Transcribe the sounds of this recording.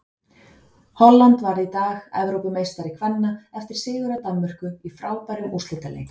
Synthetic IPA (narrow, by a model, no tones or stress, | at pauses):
hɔlːant̪vaɾðit̪aːɣɛ̰vɾowpɪmeːjst̪aɾɪkʰvɛnːaɛft̪ɪɾ̥sɪːɣʏɾat̪anmʏr̥kʏifɾaːwpaɾʏmust̪ɪnt̪alḛ